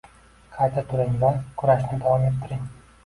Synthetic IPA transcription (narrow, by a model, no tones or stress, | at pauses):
qʰɑjt̪ʰat̪ʰʊɾɪŋvakʰʊɾaʃnɪd̪avɒmet̪ʰːɪɾɪŋ